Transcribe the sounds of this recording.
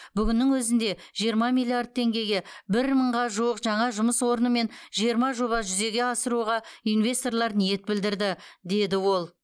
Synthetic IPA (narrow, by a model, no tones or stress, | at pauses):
bʏɡʲɪnːɪŋwɵzɪnd̪e̞ʒ̥ijəɾmɑmijlʲːiard̪̚t̪ʰːe̞ŋɡʲe̞jɡʲe̞bɪɾməɴʁɑʒuwəqʒɑɴɑʒʊməswo̞ɾənəme̞nʒijəɾmɑʒo̞βɑʒʏze̞ɡʲe̞ɑsəɾuʁɑijnvʲe̞st̪o̞rlˠɑɾnije̞t̪̚bɪld̪ɪɾd̪ɪd̪e̞d̪ɪwo̞lˠ